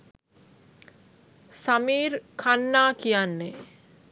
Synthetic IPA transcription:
samiːɾkʰanːaːkijanːe

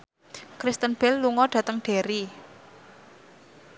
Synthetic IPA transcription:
kɾist̪ənb̥ɛlːuŋɔɖ̥ä̤t̪əŋɖ̥e̤ɾi

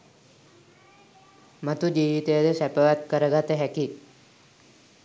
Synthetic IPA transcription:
mət̪ud͡ʒiːʋit̪ejəd̪esɛpəʋat̪̚kəɾəɡat̪eɦɛkit̪

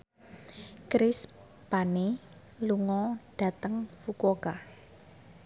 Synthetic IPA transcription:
kɾɪs | pani | luŋɔɖ̥a̤t̪əŋfukoka

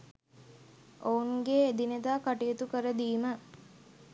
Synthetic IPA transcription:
ʔouŋɡeːd̪ined̪aːkaʈijet̪ukəɾəd̪iːmə

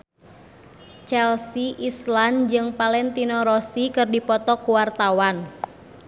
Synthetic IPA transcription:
t͡ʃɛlsiʔisland͡ʒɨŋpalɛnt̪inɔɾɔsikɨrdipɔt̪ɔkuwart̪awan

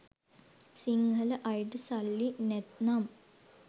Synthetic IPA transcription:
siŋɡʱɐlɐʔɐjʈɨsɐlːinet̪nam

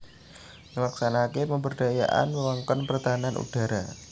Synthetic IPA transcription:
məlaksanakeməmbərdaja̰ʔa̰nməwaŋkɔnpərt̪aɦananṵd̥a̤ɾa

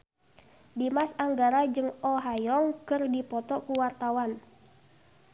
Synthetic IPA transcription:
dimasaŋɡaɾad͡ʒɨŋɔɦajɔŋkɨrdipɔt̪ɔkuwart̪awan

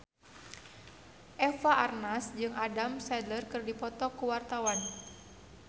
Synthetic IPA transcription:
ʔɛfaʔarnasd͡ʒɨŋʔadamsɛdlərkɨrdipɔt̪ɔkuwart̪awan

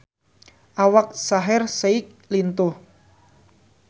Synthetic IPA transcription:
ʔawak̚saɦɪrseɪk̚ | lint̪ʊh

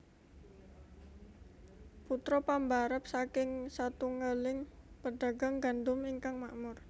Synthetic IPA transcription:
put̪ɾɔpambaɾəp̚sakɪŋsat̪uŋəlɪŋpəɖaɡa̤ŋɡand̪ʊmiŋkaŋma̰ʔmʊr

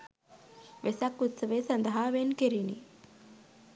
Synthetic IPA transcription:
ʋesakːut̪səʋeːsɐnd̪əɦaːʋenkeɾinḭ

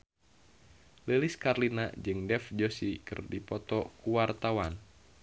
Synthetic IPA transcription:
leliskarlina̰d͡ʒɨŋdɛfd͡ʒosikɨ̰rdipɔt̪ɔkuwart̪awan

